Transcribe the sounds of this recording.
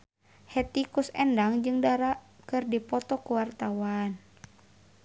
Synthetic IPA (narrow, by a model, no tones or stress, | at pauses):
hɛt̪ikusɛndaŋd͡ʒɨŋdaɾaʔ | kɨrdipɔt̪ɔkuwart̪awan